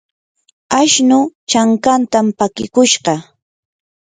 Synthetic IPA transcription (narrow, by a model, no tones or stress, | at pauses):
aʃnʊt͡ʃaŋkant̪ampakɪ̰kʊʃɢɑ